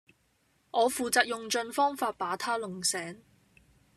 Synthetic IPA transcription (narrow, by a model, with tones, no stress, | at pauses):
ʔɔː˨˧fuː˨t͡saː˨˧k̚jʊ˨ŋt͡ʃɵ˧nfɔː˥ŋfaː˧t̚paː˨˥t̪ʰaː˥lʊ˨˩ŋsɛː˨˥ŋ